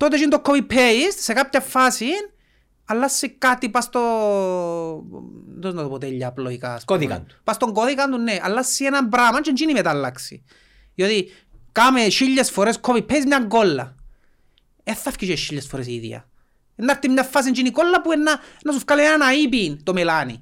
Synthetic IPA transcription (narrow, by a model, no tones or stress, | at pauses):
t̪ot̪̬et͡ʃint̪okʰːopipʰːeissekap̚çɐfːasin | ɐlːasːikat̪ipast̪o | d̪oznɐt̪oot̪eʎːɐːploikaskoðika̰nt̪u̥past̪oŋɡoðikɐnt̪unːeʔa̰lːasːienɐmbɾamɐnt͡ʃent͡ʃinimet̪alːaksḭ | jot̪i | kameʃiʎːesfoɾeskʰopipʰːeizmɲaŋɡolːɐ̰ | eθːɐfkiʃeʃːiʎːesfoɾesiðjɐ̰ | enːaɾt̪ːimɲafːas̬int͡ʃinikolːɐpuenːanːɐsufkalienanaip̬int̪omelanḭ